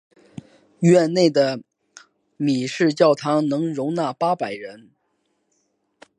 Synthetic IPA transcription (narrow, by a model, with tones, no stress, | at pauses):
ɥɛ˥˧nne˥˩ɪd̪ə˩ | mi˨˩ʂɻ̩˥˧t͡ɕjɑ˥˩ʊt̪ʰɑ˧˥ŋnɤ˧˥ŋɻʊ˧˥ŋna˥˩pa˥pa˨˩ɪɻə˧˥n